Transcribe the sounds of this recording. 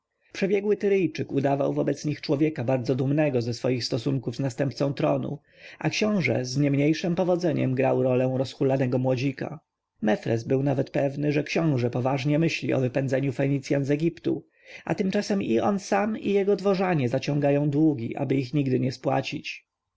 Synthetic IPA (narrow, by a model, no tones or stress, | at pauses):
pʂɛbʲjɛɡwɘt̪ɘɾɘjt͡ʂɘkud̪ava̰wvɔbɛt̪sɲixt͡ʂwɔvʲjɛkabaɾd̪zɔd̪umnɛɡɔzɛsfɔjixst̪ɔsuŋkuvznast̪ɛmp̪̚sɔ̃t̪ɾɔnṵ | akɕɔ̃w̃ʐɛ̰zɲɛmɲejʂɘmpɔvɔd̪zɛɲɛ̰mɡɾawɾɔlɛ̃w̃ɾɔsxulanɛɡɔmwɔd͡ʑika̰ | mɛfɾɛ̰zbɘwnavɛt̪pɛvnɘʐɛkɕɔ̃w̃ʐɛpɔvaʐɲɛmɘɕlʲḭɔ̰vɘpɛnd̪zɛɲufɛɲit̪sʲjanzɛɡʲipt̪ṵ | a̰t̪ɘmt͡ʂasɛmiɔnsamḭjɛɡɔd̪vɔʐaɲɛzat͡ɕɔ̃ŋɡajɔ̃w̃d̪wuɡʲiʔa̰bɘixɲiɡd̪ɘɲɛspwa̰t͡ɕit͡ɕ